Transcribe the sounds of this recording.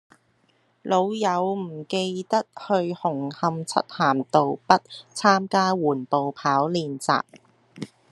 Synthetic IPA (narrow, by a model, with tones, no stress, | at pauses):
lo˨˧wjɐ˨˧wm̩˨˩ke˧jt̪ɐ˥k̚hɵ˧ɥhʊ˨˩ŋhɐ˧mt͡sʰɐ̰˥t̚haː˨˩mt̪o˨wpɐ˥t̚t͡sʰaː˥mkaː˥wuː˨˩npo˨wpʰaː˨˥wliː˨˧nt͡sa̰ː˨p̚